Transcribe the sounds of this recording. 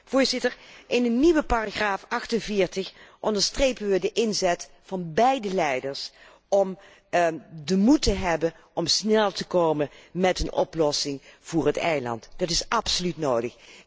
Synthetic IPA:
v̥ʊːɹzɪtəɹʔɪnənniʋəpaːraχraːfɑxtənvɪːɹtəχʔɔndəɹstrejpənʋədəʔɪnzɛt | fɑnbɛjdəlɛjdəɹs | ɔm | dəmutəɦɛbə | ʔɔmsnɛlˠtəkowmənmɛtənʔɔ̰plɔsɪŋv̥ʊːɹətɛ̰jlɑ̰ntd̥ɑtɪsʔɑpsolytnoːwdəx

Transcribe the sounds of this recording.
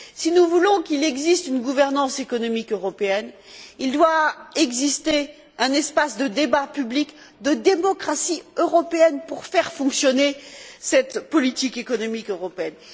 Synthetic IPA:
sinuvulɔ̃kilɛɡzist̪ynɡuvɛʁnɑ̃sekɔnɔmikøʁɔpeɛn | ild̪waɛɡzist̪e | ɛ̃nɛspasd̪əd̪ebapyblik | d̪əd̪emɔkχasiøʁɔpeɛnpuʁfɛʁfɔ̃ksjɔnesɛt̪pɔlit̪ikekɔnɔmikøʁɔpeɛn

